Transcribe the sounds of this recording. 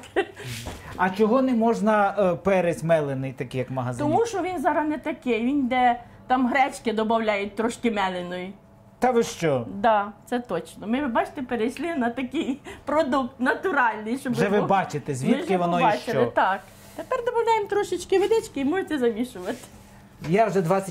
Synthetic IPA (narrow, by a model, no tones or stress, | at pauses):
ɐt͡ʃɔɦɔnɛmɔʒnɐpɛɾezʲmɛlˠenɪjt̪ɐkɪjɐkmɐɦɐzt̪ɔmuʃɔʋʲinzɑɾɐnɛt̪ɐkɪjʋind̪ɛ | t̪ɑmɦɾɛt͡ʃkɪd̪ɔbɐwlʲajʊt̚ʲt̪ɾɔʃkɪmɛlˠɪnɔji | t̪ɐʋɪʃt͡ʃɔd̪ɑt̪sɛt̪ɔt͡ʃnɔmɪʋɪbɑt͡ʃɪ̥t̪epeɾejʃlʲˠɪnɐt̪ɐkijpɾɔd̪ukt̪nɐt̪ʊɾɑlʲnɪjʃɔbʒɛʋɪbɑt͡ʃɪt̪ɛzʲʋʲmʲiɪkʒkɪʋɔnɔjit͡ʃʃt͡ʃɪlɔɪt̪ɑk | t̪epɛrd̪ɔbɐwlʲajemt̪ɾɔʃɪt͡ʃkɪʋɪd̪ɪt͡ʃkɪimɔʒʊtʲːɛzɐmʲiʃʊʋɐt̪ɪ̥ | jawʒɛd̪ʋɑt͡sʲɐ